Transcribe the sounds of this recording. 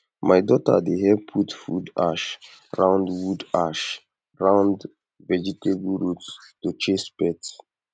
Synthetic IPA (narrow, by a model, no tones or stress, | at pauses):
majdɔtə̰dehɛvpʰutfuda̰ʃ | ɹãʊ̃ndwudaʃ | ɹãʊ̃nd | vɛd͡ʒitʰebɹutstut͡ʃespɛt